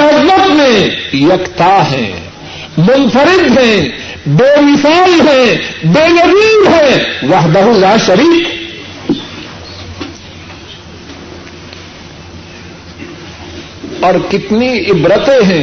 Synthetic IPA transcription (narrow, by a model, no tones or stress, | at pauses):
ɪzmət̪mẽjɐkt̪aːɦɛ̰̃ː | mʊnfəɾɪd̪ɦɛ̃ | beːmɪsaːlɦɛ̃ːbeːɣɐziːɾɦɛ̃ʋɐɦd̪əɦõlaːʃɐɾiːk | ɔːɾkɪt̪niɪbɾət̪eɦɛ̃ː